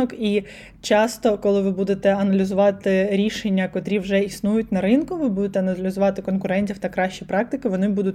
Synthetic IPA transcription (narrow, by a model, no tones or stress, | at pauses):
ɔki | t͡ʃɑst̪ɔkɔlˠɪʋɪbud̪et̪ɛɐnɐlʲizʊʋɑt̪ɪɾʲiʃenʲːɐkɔt̪ɾʲiwʒɛisnujʊtʲnɐɾɪnkʊʋɪbud̪et̪ɛɐnɐlʲɪzʊʋɑt̪ɪkɔnkʊɾɛnʲtʲiwt̪ɐkɾɑʃʲt͡ʃipɾɑk̚t̪ɪkɪʋɔnɪbud̪ʊtʲ